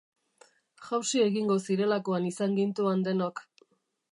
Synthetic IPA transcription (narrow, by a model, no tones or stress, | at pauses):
ʝawsie̞ɣiŋɡo̞siɾe̞lako̞anisaŋɡint̪uand̪e̞nok